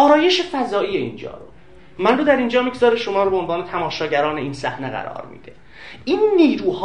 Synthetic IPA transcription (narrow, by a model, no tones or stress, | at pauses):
ʔɒːɾɒːje̞ʃefæzɒːiːjeḭːnd͡ʒɒ̰ːɾo | mænrod̪æɾind͡ʒɒːmiɡzɒːɾeʃo̞mɒːɾobeonvɒːnet̪ʰæmɒːʃɒːɟæɾɒːne̞iːnsæhneɣæ̰ɾɒ̰ːɾmḭːd̪e̞ | ʔiːnːiːɾuːh